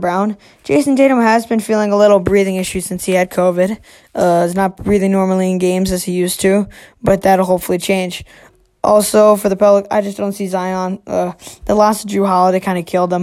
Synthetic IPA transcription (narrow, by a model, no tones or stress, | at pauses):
bɹãʊ̃n | d̥ʒ̥eɪsn̩deɪɾə̃mɨzbɨ̃nfilˠɪ̃ŋəlɪɾl̩ˠbɹiðɪ̃ŋɪʃʉsɪ̃nshiɨd̚kʰoʊvɨd | ʔʌɪznət̚b̥ɹiðɪ̃ŋnɔɹml̩ˠiɨ̃nɡẽɪ̃mzɨz̥hijʉstʰʉb̥ʌt̪̚ðɨɾl̩ˠɦoʊpfl̩ˠit͡ʃʰẽɪ̃nd͡ʒ | ʔɔlˠsoʊfə˞ðəpʰʌbləkaɪd͡ʒʌsd̥õʊ̃ntsizaɪə̃nʔʌðəlæsdɹʉɦaəðɨɪkʰãɪ̃ndɨkʰɪlˠd̪̚ə̃m